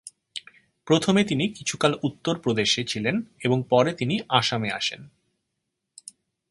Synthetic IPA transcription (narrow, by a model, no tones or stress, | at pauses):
pɾot̪ʰomet̪inikit͡ɕʰukalut̪ːoɾpɾod̪eʃet͡ɕʰileneboŋpɔɾet̪iniʔaʃamea̰ʃḛn